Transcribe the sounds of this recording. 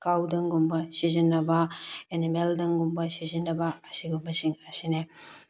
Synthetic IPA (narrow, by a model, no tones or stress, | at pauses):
kawdɐŋɡumbɐsizinːɐbaenemeldɐŋɡumbɐsizinːɐbaːsiɡumɐsiŋɐsine